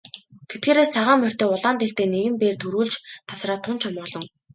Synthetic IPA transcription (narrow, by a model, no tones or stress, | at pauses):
t̪ʰet̪̚ɡeːɾeːst͡sʰaʁaːmːœr̥ʲt̪eːʊɮaːnt̪eɬt̪eːneɣɘ̆mpeːrt̪ʰɵɾuːɮt͡ɕt̪ʰḁsraːt̪ʰːʊnt͡ɕʰɔmɔːɮɞ̆ŋ